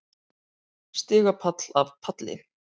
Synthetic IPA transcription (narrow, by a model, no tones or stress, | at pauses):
st̪ɪːɣapʰat̪l̥avpʰat̪lɪ̰